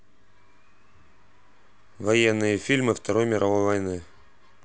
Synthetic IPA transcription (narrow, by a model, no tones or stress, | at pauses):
vɐjɛnːɨjəfʲilʲmɨft̪ɐɾo̞jmʲɪɾʔɐvo̞jvɐjnɨ